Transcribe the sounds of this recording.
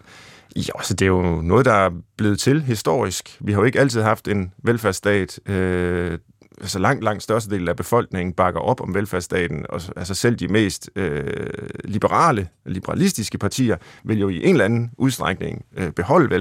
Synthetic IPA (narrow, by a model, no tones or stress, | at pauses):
jæælsəd̥e̝æjo̝nɔ̽ːð̞̩ˠd̥ɑ̈æɐb̥le̝ːð̩ˠt͡sʰe̝lɦisd̥o̝̰ɐ̰isɡ̥ʋihɑjo̝e̝ɡ̥əæl̰t͡sʰið̞̰ˠɦɑ̈fd̥e̝nʋelfæɐsd̥ɛ̰ːd̥ø | ʔælsɒlɑ̈ŋ̰d̥lɑ̈ŋ̰d̥sd̥ɶɐsd̥əde̝̰ːln̩æb̥e̝fɒ̽l̰ɡ̥ne̝ŋ̰n̩b̥ɑ̈ɡ̥ɐʔɒ̽b̥ɒ̽mʋelfæɐsd̥ɛ̰ːd̥n̩ɒ̽ælsəsel̰d̥ime̝̰ːsd̥ø | lib̥əʁɑ̰̈ːləlib̥əʁɑ̈lisd̥isɡ̥əpʰɑ̈t͡sʰḭːɐʋe̝ljo̝iʔe̝nlænn̩ʔuð̞ˠsd̥ʁɑ̈ɡ̥ne̝ŋøb̥e̝hɒ̽l̰əʋe